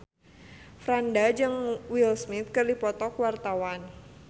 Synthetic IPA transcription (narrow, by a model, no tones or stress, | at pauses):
fɾandad͡ʒɨŋwilsmɪt̪̚kɨrdipɔt̪ɔkwart̪awan